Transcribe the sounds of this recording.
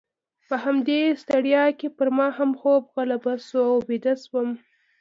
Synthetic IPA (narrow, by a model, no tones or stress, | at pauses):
pəɦamd̪est̪aɽjɑkepəɾmɑhamxobɣalabasuawbed̪aswəm